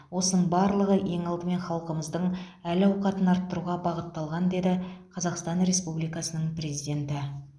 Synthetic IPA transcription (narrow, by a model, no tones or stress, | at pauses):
wo̞sənəɴbɑɾlˠəʁəʔe̞ŋɑlˠd̪əme̞nχɑlˠqəməzd̪əɴælɑwqɑt̪ənɑɾt̪ːəɾuʁɑbɑʁət̪ːɑlˠʁɑnd̪e̞d̪ɪqʰɑzɑqst̪ɑnɾe̞spublijkɑsənəɴprʲe̞zijd̪ʲe̞nt̪ɪ